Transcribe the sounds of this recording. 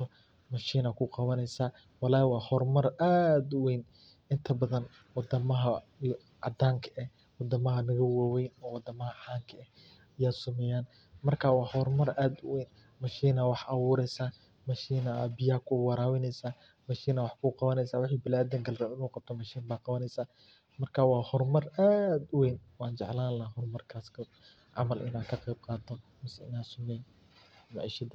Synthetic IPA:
t̪ʰɔ | mɐʃiːnɐkʰʊqɑβɐnɛjsaː | wɑlaːwɑːhɔrmɐraːd̪wɛjn | ɪnt̪ʰɐbɐðɐn | wɑd̪ɐmɐɦɐ | ɑd̪aːŋkʰɐʔɛ | wɑd̪ɐmɐɦɐnɐɣɐwaːwɛjnɔːwɑd̪ɐmɐɦɐħaːŋkʰɐɛh | ɐjaːsʊmɛjaːn | mɐrkʰaːwɑːhɔrmɐrʔaːd̪wɛjn | mɐʃiːnɐwɑħɑwʊːɾɛjsaː | mɐʃiːnɐaːbɪjaːkʰʊwɑɾaːwɪnɛjsaː | mɐʃiːnɐwɑħkʰuːqɑβɐnɛjsaːwɪħiːbɪlaːd̪ɐŋɡɐlrɐɪnuːqɑb̚t̪ʰɔmɐʃiːnbaːqɑβɐnɛjsaː | mɐrkʰaːwɑːhɔrmɐraːd̪ʊwɛjnwɑːnt͡ʃɛ̰ʕlaːlɐɦɔrmɐrkʰaːskʰɐ | ʕɑ̰mɐlʔɪ̰naːkʰɐqɛjb̚qɑːt̪ʰɔmɐsɪnaːsʊmɛjn | maʕiːʃɐd̪ɐ

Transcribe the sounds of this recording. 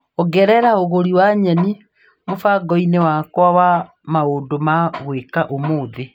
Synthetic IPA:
ɔɣɛɾɛɾaoɣoɾiwaɲɛni | mofaɡɔinewakwawa | maondomaɣwekaʔomoːðe

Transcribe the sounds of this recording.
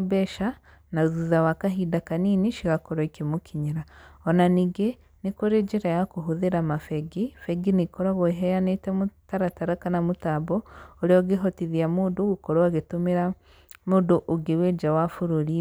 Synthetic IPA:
beʃa | nazuzawakaɦidakaniniʃiɣakoɾoikimukʰiɲiɾaonaniɡe | nikuɾed͡ʒiɾajakuɦuðiɾamafeɡifeɡinikoɾaβoɦejanetemutaɾataɾakanamutabooɾioɡiɦotiðiamuduɡukoɾwaɡetumiɾa | muduʔuɡiwed͡ʒawafuɾuɾi

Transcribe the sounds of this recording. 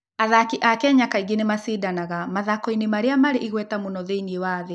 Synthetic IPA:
aðakiʔakɛɲakaiɣenemasidanaɣamaðakɔinemaɾeamaɾeʔiɣwɛtamonɔðeiniewaðe

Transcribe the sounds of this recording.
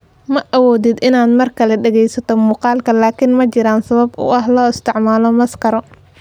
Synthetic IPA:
mɐʔɐwɔːd̪ɪd̪ɪnaːd̪mɐrkʰɐlɛɖɛɣɛjsɐt̪ʰɔmuːqɑːlkʰɐlaːkʰɪnmɐt͡ʃɪɾaːnsɐβɐbʊ̰ʔɐɦlɔːɪst̪ʰɪʕmaːlɔmɐskɐɾɔ

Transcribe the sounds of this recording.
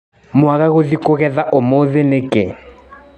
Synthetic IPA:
mʊaɣaɣʊdikʼʊɣɛðaʔʊmoðɪlɪkʼe

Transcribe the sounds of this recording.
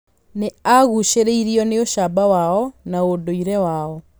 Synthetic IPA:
neaɣuɕeɾeiɾiɔneoʃabawaɔnaodoiɾɛwaːɔ

